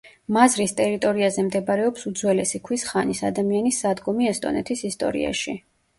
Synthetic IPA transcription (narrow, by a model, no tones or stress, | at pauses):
mazɾist̪ʼɛɾit̪ʼɔɾiazɛmd̪ɛbaɾɛɔpsud̪zwɛlɛsikʰwisχanisa̰d̪amianisːad̪ɡɔmiɛst̪ʼɔ̰nɛt̪ʰisist̪ʼɔ̰ɾḭa̰ʃi